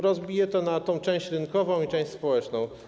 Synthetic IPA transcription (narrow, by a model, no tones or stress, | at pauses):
ɾɔzbʲijɛt̪ɔnat̪ɔ̃w̃t͡ʂɛ̃w̃ɕt͡ɕɾɘnkɔvɔ̃w̃it͡ʂɛ̃w̃ɕʲspɔwɛt͡ʂnɔ̃w̃